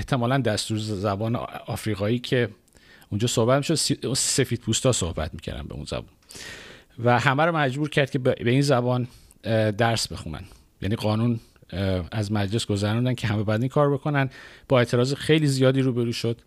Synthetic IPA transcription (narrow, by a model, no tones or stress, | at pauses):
eht̪ʰe̞mɒːlænd̪æst̪uːɾzzæbɒːnḛɒːfɾiːɣɒːiːcʰe̞ | und͡ʒɒːso̞hbæt̪miʃod̪sunse̞fiːd̪̚pʰuːst̪ɒːso̰hbæ̰t̪miːcʰæ̰ɾd̪æ̰nbḛṵnz̥æ̰bɒ̰ːn | væɦæmæɾomæd͡ʒbuːɾcʰæɾd̪̚cʰe̞beiːnzæbɒːn | d̪æɾsbe̞xṵnæ̰n | jæ̰niːɡɒːnun | æzmæd͡ʒle̞sɡo̞zæɾund̪æncʰeɦæmebæd̪iːŋkʰɒːɾbe̞kʰo̞nænb̥ɒːe̞t̪ʰe̞ɾɒːzexe̞jliːzijɒːd̪iːɾuːbe̞ɾuːʃod̪̥